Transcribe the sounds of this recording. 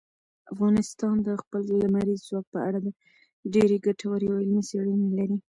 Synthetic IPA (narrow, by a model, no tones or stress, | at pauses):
afɣɑnɪst̪ɑnd̪əxpəllamaɾizzwɑk̚pəaɽaba | ɖeɾeɡaʈʰawaɾeaɪlmiseɽunelaɾi